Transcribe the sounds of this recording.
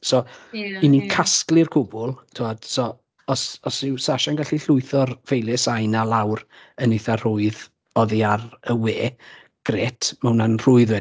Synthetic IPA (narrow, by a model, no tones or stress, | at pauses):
sɔinikʰasklˠɪrkʰʊbʊlˠtʰuad̥sɔ | ɔsɔsɪwsaʃanɡaɬiɬʊɨθɔrvejlˠɪsajnalˠawrənɪθar̥ʊɨð | ɔðiarəweː | ɡ̥reːtʰmawnanr̥ʊɨðwɛ